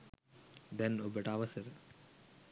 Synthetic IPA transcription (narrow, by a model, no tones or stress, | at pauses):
d̪ɛnobəʈəɐʋɐsəɾə